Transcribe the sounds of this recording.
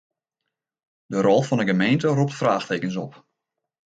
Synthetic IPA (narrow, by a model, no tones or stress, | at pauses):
dərɔlˠfɔndəɡəmejntərup̚tfraːxteːkənsɔp